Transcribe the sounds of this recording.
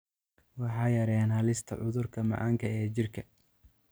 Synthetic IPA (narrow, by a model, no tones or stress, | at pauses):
wɑħɑːjɐɾɛːnhɐlɪst̪ʰɐ̰ʕʊðʊrkʰɐmɑ̰ʕɑ̰ːŋkʰɐɛːt͡ʃɪrkʰɐ